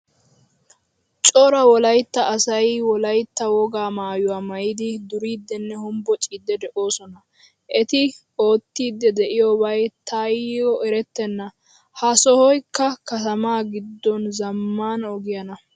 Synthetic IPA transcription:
t͡ʃʼɔɾɐwɔlɐjt̪ːɐʔːsɐjwɔlɐjt̪ːɐwɔɡaːmaːjʊwaːmɐjɪd̪ɪd̪ʊɾiːd̪ːɛnːɛhʊmbɔt͡ʃʼiːd̪ːɛd̪ɛʔo̞ːsɔnɐ | ʔɛt̪ɪ | o̞ːt̪ːiːd̪ːɛd̪ɛʔɪjoːbɐjt̪ʰajɔʔɛɾɛt̪ːɛnːɐ | hɐsɔhɔjkːɐkɐt̪ɐmaːɡɪd̪ːɔnzɐmːaːnɔɡɪjɐnɐ

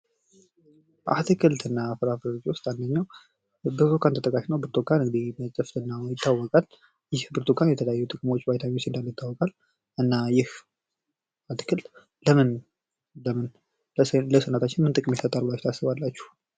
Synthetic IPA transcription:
ʔa̰t̪ʰɨkʰɨlt̪ɨnːafɨɾafɾəot͡ʃʼwʊst̪and̪əɲːaw | bɨɾt̪ʰokʰant̪ʰət̪ʼəkʼaʃnəwbɨɾt̪ʰokʰːanɨŋɡɨd̪imət͡ʃʼəft̪ɨnːajɪt̪ʰːawːɔkʼal | jɪhbɨɾt̪ʰokʰanjɛt̪ʰələjajːut̪ʼɨkʼmo̞t͡ʃːbajt̪ʰamiwust̪ɨnd̪alːjɪt̪ːawːɔkʼal | ɨnːajɪh | at̪ɨ̥kʰɨlt̪ | ləmɨn | ləmɨn | ləsənat̪ʰat͡ʃːɪnmɨnt̪ʼɨkʼɨmjɛsət̪ʼːalulat͡ʃːt̪ʰasɨβalːat͡ʃːu̥h

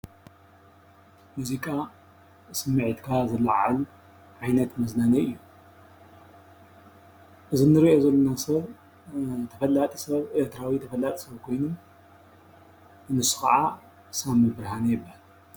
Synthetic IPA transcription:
muzikʼa | sɨmːɨʕit̪kʰazɐlaʕa̰l | ʕajnɐt̪mɐznanɐʔɨjːu | ʔɨzɨnːɨɾiʔozɐlːonasɐβ | t̪ʰɐfɐlat̪ʼisɐβeɾt̪ʰɨɾawit̪ʰɐfɐlat̪ʼi̥sɐβkʰo̞jnom | ɨnɨsu̥xɐ̰ʕa | samɨbɨɾhanɐjɨbːahal

